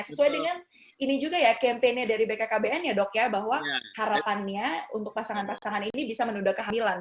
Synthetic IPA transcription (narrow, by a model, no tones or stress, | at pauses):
səsuajdəŋan | inid͡ʒuɡajakɛmpenɲadaɾibekakabeɛnjadɔkjabaɦwahaɾapanɲaunt̪ʊk̚pasaŋanpasaŋaninibisamənudakəɦamilan